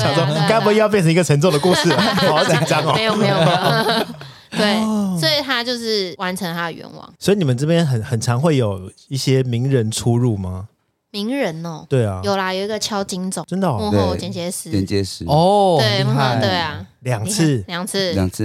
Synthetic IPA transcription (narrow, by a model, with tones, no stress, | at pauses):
ɕɑ˨ʊsɔ˥˦ka˥ɪpu˧˥i˧˦jɑ˥˧pjnt͡sʰə˧˦ŋi˧ɡə˨ʈ͡ʂʰə˧˥ŋt͡so˥˩d̪ə˩ku˥˧ʂɻ̩˥˩˨ɑ˨˥˦ʊə˨˩ʈ͡ʂɑ˦ŋɔ˨˦˧jo˨me˧˥˦jo˨˩˥ | tt̪we˥˩ɪswɔ˧˥i˨˩t̪ʰa˥t͡ɕjo˥˧ʊʂɻ̩˥˩wa˧˦nʈ͡ʂʰə˧˥ŋt̪ʰa˥d̪ə˨˩ɥɛ̰˧˦nwɑ̰˨˩˦ŋswɔ˧˥i˨ni˨˩ə˦nt͡sɤ˥˧pjɛ˥˦nxə˨˩nxə˨˩nt͡sʰɑ˧˦ŋxwe˥˩ɪjo˨˩ʊ | i˥˩ɕjɛ˦mi˧˦ŋɻə˧˦nʈ͡ʂʰu˦ɻu˥˩ma˩ | mi˧˥ŋɻə˧˦nɔ˨t̪we˥˩ɪɐ˩jo˨˩ʊla˨jo˨˩ʊi˧˥ɡə˨t͡ɕʰjɑ˥ʊt͡ɕi˦ŋt͡so˨˩ʈ͡ʂə˦nd̪ə˨˦˥t͡ɕjɛ˨nt͡ɕjɛ˧˥ʂ̩˧˥t͡ɕɛ̰˨nt͡ɕjɛ˧˦s̩˦ɔ˥˩we˥˩ɪa˥˩t̪we˥˩ɪa˩ | ljɑ˨˩ŋt͡s̩ʰ˥˩ljɑ˨˩ŋt͡s̩ʰ˥˩˨t͡sʰ